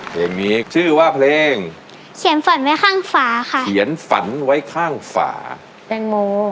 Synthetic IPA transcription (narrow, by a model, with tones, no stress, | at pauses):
pʰleː˨˧˩ŋniː˦˧t͡ɕʰɯː˥˩waː˥˩pʰleː˧ŋ | kʰi˩˦ənfa˩˦nwa˦˥jkʰaː˥˩ŋfaː˩˦xʰa˥kʰi˩˦ənfa̰˩˦nwa˦˥jkʰaː˥˩ŋfa̰ː˩˦ | pe˧nmuː˧